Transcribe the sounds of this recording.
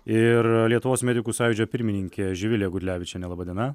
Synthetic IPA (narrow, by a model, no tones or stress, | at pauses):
ɪɾlʲiɛt̪ʊʋoːsmʲæːd̪ʲɪkuːsɑːjɪd͡ʒʲoːpʲɪɾʲmʲɪnʲɪŋʲkʲeːʒʲɪʋʲɪlʲɛɡʊt̪ʲlʲæːʋʲɪt͡ʃʲɛnʲɛlˠɑːbɑːd̪ʲiɛnɐ